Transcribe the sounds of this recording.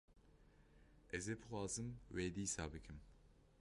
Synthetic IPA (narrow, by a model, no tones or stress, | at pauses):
ʔɛzeːbɨxʷwɑːzɨmweːd̪isɑːbɨkʰɨm